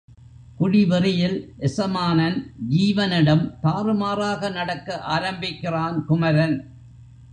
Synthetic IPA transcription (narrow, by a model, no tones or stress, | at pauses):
kʊɽɪʋɪrɪjɪlʔɛsɐmaːnɐnd͡ʒiːʋɐnɪɽɐmt̪aːɾɯmaːɾaːɣɐnɐɽɐkːɐʔaːɾɐmbɪkːɪraːnkʊmɐɾɐn